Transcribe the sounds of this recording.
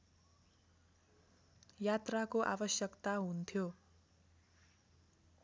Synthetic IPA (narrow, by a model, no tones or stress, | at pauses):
jat̪rakoʔa̰bʌsjʌkt̪aɦunt̪ʰjo